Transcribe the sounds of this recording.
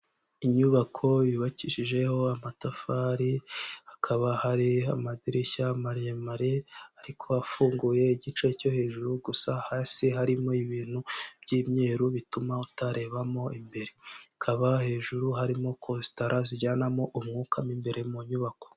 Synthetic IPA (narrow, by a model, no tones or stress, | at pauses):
iɲuβakʰo̞jiβaciʃiʒe̞ho̞amatafaɾiakʰaβahaɾiamadiɾiçamaɾamaɾeaɾikʰo̞afuːŋɡuje̞iɟit͡ʃe̞co̞he̞ːʒuɾuɡusahasiɦaɾimo̞iβiːn̥ub̥ɟiːmɲe̞ːɾuβitumautaɾe̞ːβamo̞imbe̞ɾeakʰaβahe̞ːʒuɾuɦaɾimo̞kʰosi̥taɾaziɟaːnamo̞ʔumŋuːkʰamimbe̞ɾe̞muɲuβako̞̥